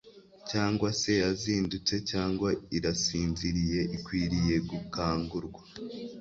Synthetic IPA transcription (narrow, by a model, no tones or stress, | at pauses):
caːŋɡwase̞jaziːndut͡se̞caːŋɡwaiɾasiːnziɾije̞ʔikwiːɾije̞ɡukaːŋɡuɾɡwa